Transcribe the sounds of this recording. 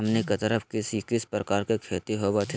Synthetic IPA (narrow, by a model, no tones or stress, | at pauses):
ɐmnikɐt̪əɾəfʰkɪsikɪspɾəkaːɾkekʰeːt̪iɦobat̪ʰ